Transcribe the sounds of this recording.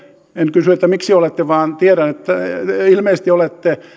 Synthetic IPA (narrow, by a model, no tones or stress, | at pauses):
enkysyet̪ːæmiksiolet̪ːeʋɑːnt̪ieɾænet̪ːæilmeˑːst̪iolet̪ːe